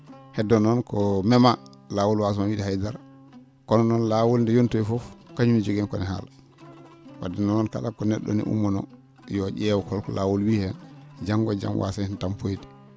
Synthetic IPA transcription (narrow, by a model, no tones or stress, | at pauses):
hɛdːɔnɔnkɔmɛma | laːwulwas̬mawidihajdaɾ | kɔnɔnɔnlawulndɛjontojfɔfkaɲumid͡ʒoɡɛnkɔnɛha̰l | wa̰dinɔnɔnka̰lakɔnɛɗːɔ̰nḭʔṵmːɔnɔ̰ | jɔɟɛwkɔlkɔlaːwulwiːhɛnd͡ʒaŋɡɔd͡ʒa̰mwʔa̰sahintampojdi̥